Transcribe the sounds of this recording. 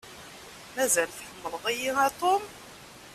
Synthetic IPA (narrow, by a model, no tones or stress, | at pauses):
mæzælθħəmːəlʁijiæt̪ˤom